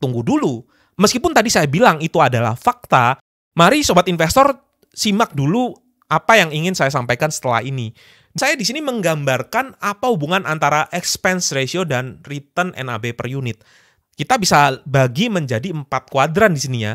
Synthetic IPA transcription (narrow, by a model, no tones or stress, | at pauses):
t̪uŋɡudulu | məskipʊnt̪adisajabilaŋit̪uadala̰hfak̚t̪a | maɾisobat̪infɛst̪ɔr | simak̚dulu | apajaŋiŋɪnsajasampajkansə̥t̪əla̰hɦini | dsajadisiniməŋɡambarkanapahubuŋanʔant̪aɾaʔɛkspɛnsresiodanrit̪ənʔɛ̰na̰bepərjunɪt̪̚ | kit̪abisabaɡiməɲd͡ʒadiəmpat̪̚kuadɾandisiniɲa̰